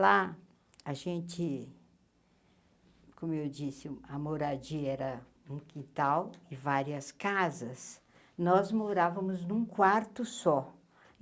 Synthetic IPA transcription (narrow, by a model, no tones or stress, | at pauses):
la | ɐʒẽnt͡ʃɪ | kõmʊewd͡ʒisɪɐmoɾad͡ʒiɛɾɐ | ũkĩt̪awɪvaɾiɐskazɐs | nɔzmoɾavɐmʊznũkwaɾt̪ʊsɔ